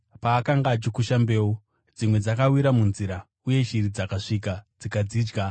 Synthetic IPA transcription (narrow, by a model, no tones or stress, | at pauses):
paːkaŋɡaːt͡ʃikuʃambe̞ːwo | d͡zimwe̞d͡zakawiɾamunziɾa | uje̞ʃiɾid͡zakaʂik̬ad͡zikad͡ziːd͡ʒɡa